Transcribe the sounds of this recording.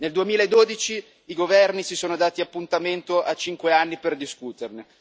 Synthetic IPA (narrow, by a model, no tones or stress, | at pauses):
neld̪uemiːlaed̪ːoːd̪it͡ʃiː | ɡovɛrnisisoːnod̪aːt̪iapːunt̪ament̪oʔat͡ʃiŋkweanːiperd̪iskuːt̪erne